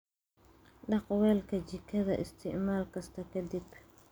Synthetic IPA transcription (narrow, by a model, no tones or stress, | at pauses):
ɗɑqwɛːlkʰɐd͡ʒɪkʰːɐðɐʔɪ̰st̪ʰɪʕmaːlkɐst̪ʰɐkʰɐd̪ib